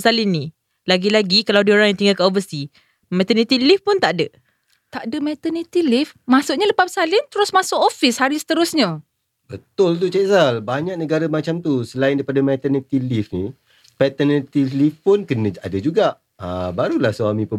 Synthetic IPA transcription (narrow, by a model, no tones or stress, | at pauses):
salɪnːi | laɡilaɡikalawdioɾaŋjãŋt̪iŋɡalkəovəst̪i | mɛt̪ənit̪ilifpʊnt̪aʔdə | t̪aʔdəmɛt̪ənit̪ilifmasʊʔɲaləpapsalɪnt̪əɾʊsmasʊʔofishaɾisə̥t̪əɾʊsɲã | bət̪ʊlt̪ut͡ʃɛsalbaɲak̚nəɡaɾamat͡ʃamt̪usəlaɪndaipadamɛt̪ənit̪ilifni | pɛt̪ənit̪ilifpʊnkənə̃adad͡ʒuɡaʔ | a̰baɾulahswamĩpə